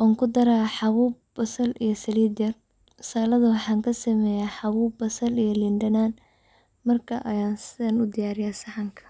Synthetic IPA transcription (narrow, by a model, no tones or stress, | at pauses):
ʔɔːŋkʰʊd̪ɐɾaːħɑwuːbbɐsɐlijɞsɐliːd̪ɛr | saːlɐðɐwɑħɑːŋkʰɐsɐmɛːjaːħɑwuːbɐsɐlijɔlɪndɐnaːn | mɐrkʰɐʔɐjaːnsɪɐnʊd̪ɪjaːɾɪjaːsɐħɑŋkʰɐ̥